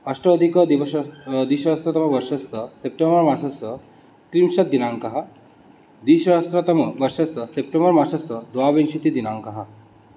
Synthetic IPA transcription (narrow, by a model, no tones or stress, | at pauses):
ɐsʈɾɐd̪ʱikəd̪iʋɐʃd̪iːʃɐɦɐst̪ɾɐt̪ɐmɐʋəɾʂɐst̪əsep̚ʈembəɾmasɐsə | kɾimʃɐt̪̚d̪inaŋkaɦa | d̪iʃɐɐst̪ɾɐt̪ɐmɐʋɐɾʂɐsəsep̚ʈembəɾmasɐsəd̪ʋaʋenʃit̪id̪inaŋkaɦa